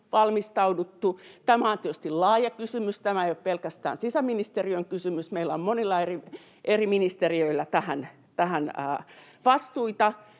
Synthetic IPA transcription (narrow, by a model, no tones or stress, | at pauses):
ʋɑlmist̪ɑudut̪ːut̪æmæont̪yøst̪illɑːjɑkysymyst̪æmæeijoppelkæst̪æ̰ːnsisæminist̪eriøŋkysymysmeilːˑæommonilːɑeri | ʔeriminist̪eriøilːæt̪æhæn | t̪æhænəː | ʋɑst̪uit̪ɑ